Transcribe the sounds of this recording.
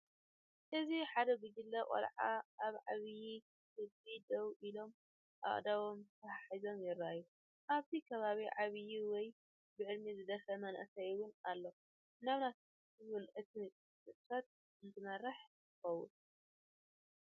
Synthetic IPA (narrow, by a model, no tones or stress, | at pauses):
ʔɨziħad̪ɐɡɨɡɨlːɐkʼɐ̰lʕaaβʕaβji | kʰɨdid̪ɐwʔilo̞m | ʔa̰χʼd̪awo̞mt̪ʰɐaħizo̞mjɪɾajːu | ʔaβt̪ʰikʰɐβaβiʕaβjiwɔj | bɨʕɨlmizɨd̪ɐfɐmɐnʔɨsɐuwʊnalːo | naβnat̪ʰ | ɨβɨlʔɨt̪ʰit͡sʼ | sɨt̪ʼfat̪̚ | ɨnzɨmɐɾɐħtɨxɐwʊ̰n